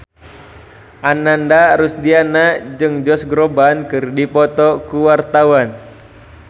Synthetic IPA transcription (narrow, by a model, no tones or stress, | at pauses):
ʔanandaɾusdianad͡ʒɨŋd͡ʒɔsɡɾɔbankɨrdipɔt̪ɔkuwart̪awan